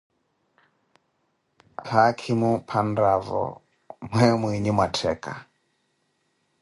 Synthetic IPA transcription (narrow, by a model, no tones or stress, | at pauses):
hakʰimupʰandavɔ̰ | mwɛmwiɲimwatʰɛka̰